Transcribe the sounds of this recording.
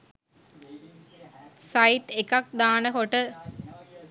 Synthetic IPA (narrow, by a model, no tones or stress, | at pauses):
sajʈekak̚d̪aːnəɦoʈə